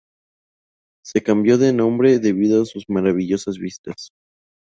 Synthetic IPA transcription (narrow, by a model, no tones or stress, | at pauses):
se̞kambjo̞ðe̞nõ̞mbɾe̞ðe̞β̞ið̞oasuzmaɾaβ̞iʝo̞sazβist̪as